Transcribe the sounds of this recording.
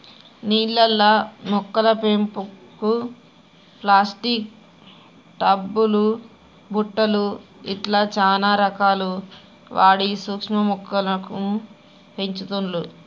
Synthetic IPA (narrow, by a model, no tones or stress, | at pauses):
niːɭːɐlːɐmɔkːɐlɐpempuku | plaːsʈik̚ | ʈɐbːulu | bʱuʈːɐluiʈlaːt͡ʃaːnaːɾɐkaːlu | ʋaːɽisukʂmɐmukːɐlɐku | peɲt͡ʃut̪unlu